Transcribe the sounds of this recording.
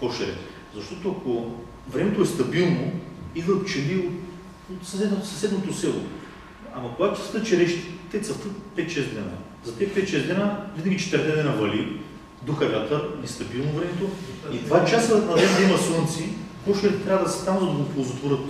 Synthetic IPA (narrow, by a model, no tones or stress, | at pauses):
kɔʃɛɾɛ̰ | zɐʃt̪ɔt̪oɐko | vɾɛmɛt̪oɛst̪ɐbilˠnoid̪vɐt̪t͡ʃɛliot̪ | sɐsɛnsɐsɛd̪not̪osɛlˠo̰ | ɐmɐkoɡat̪ʊt̪sə̥ft̪ɤt̪t͡ʃɛɾɛʃt̪ːɛt̪səft̪ɤt̪̚pɛt̪ʃɛzd̪ɛna̰ | zɐt̪ɛpɛt̪ʃɛzd̪lɛnavinɐɡʲit͡ʃɛ̥t̪əɾt̪ɛd̪ɛnavɐli | d̪uxɐlʲat̪ənɛst̪ɐbilˠnovɾɛmɛt̪oid̪vat͡ʃasənɐd̪ɛsd̪ɐimɐsont̪sikɔʃɛɾɛt̪ɾʲavəd̪ɐsɛ̥st̪amzɐd̪ɐɡopozot̪voɾɤt̪